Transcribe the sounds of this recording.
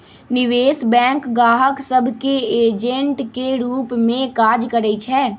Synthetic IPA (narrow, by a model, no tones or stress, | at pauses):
nɪʋeːsbɛ̃ːŋkɡaːɦəksəbʱkeeːd͡ʒə̃ɳʈkeɾuːpmẽkaːd͡ʒkəɾɛit͡ʃʰɛː